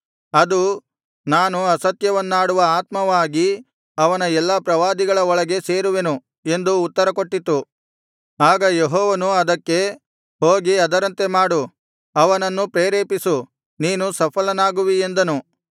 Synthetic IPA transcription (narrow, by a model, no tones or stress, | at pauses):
ɐd̪u | naːnuɐsɐt̪jɐʋɐnːaːɽuʋɐaːt̪mɐʋaːɡi | ɐʋɐnɐɛlːɐpɾɐʋaːd̪iɡɐɭɐɔɭɐɡe̞se̞ːɾuʋe̞nu | e̞nd̪uːt̪ːɐɾɐko̞ʈːit̪ːu | aːɡɐjeɦɔːʋɐnuɐd̪ɐkːe̞ | ɦhoːɡiɐd̪ɐɾɐnt̪e̞maːɽu | ɐʋɐnɐnːupɾeːɾeːpisu | niːnusɐpʰɐlɐnaːɡuʋie̞nd̪ɐnu